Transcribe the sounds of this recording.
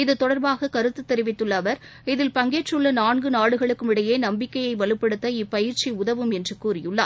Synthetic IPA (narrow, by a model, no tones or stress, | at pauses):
ɪðɯt̪ɔɽɐɾbaːɣɐkɐɾɯt̪ːɯt̪ːɛɾɪʋɪt̪ːɯɭːɐʋɐɾɪðɪlpɐŋɡeːʈt͡ʃːɯɭːɐnaːɳɡɯnaːɽɯɣɐɭɯkːɯmɪɽɐjeːnɐmbɪkːɐjɐɪʋɐɭɯpːɐɽɯt̪ːɐɪpːɐjɪɾt͡ʃiʊðɐʋɯmɛndrɯkːuːrɪjɯɭːɐ̰